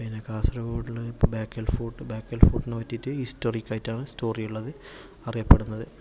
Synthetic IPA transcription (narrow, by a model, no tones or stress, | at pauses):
pinekaːsrɐʋoɽilbaːkːelfuːʈːɨbaːkːelfuːʈːinːɨʋɐtːitːɨistorikʲːɐːjtːaːɳɨsto̞ːrijuɭːɐðɨ | ɐrijɐpːe̞ɽunːɐðɨ